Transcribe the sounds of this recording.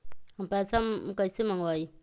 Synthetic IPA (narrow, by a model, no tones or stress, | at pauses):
ampasamkasimaŋwaji